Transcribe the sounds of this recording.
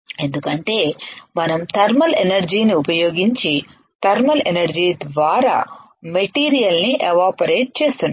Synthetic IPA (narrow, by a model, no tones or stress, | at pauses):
e̞nd̪ukɐɳʈe̞ːmɐnɐmt̪ɐɾmɐlenɐɾd͡ʒiːniupɐjo̞ːɡiɲt͡ʃi | t̪ɐɾmɐlenɐɾd͡ʒiːd̪ʋaːɾa̰ː | meʈiːɾijɐlniʔeʋaːpɐɾeːʈ̚t͡ʃe̞ːst̪unː